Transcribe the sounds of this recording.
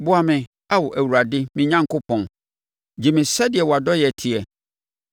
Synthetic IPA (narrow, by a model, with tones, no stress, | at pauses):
bʊ˦a˦mɪ̃˨ | a˦wɔ˨ʔæ˨wu˨ɾa˨dɪ˦mɪ̃˦ɲã˦ŋ˨ko˦pʰɔ̃˨n | d͡ʑi˨mɪ̃˨sɛ˦dɪ˨ɛ˨wɔ˨a˨dɔ˦jɛ˨tʰɪ˨ɛ˨